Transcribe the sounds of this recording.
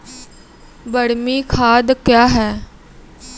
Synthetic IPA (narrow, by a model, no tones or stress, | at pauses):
bəɽmiːkʰaːd̪kjaːɦɛː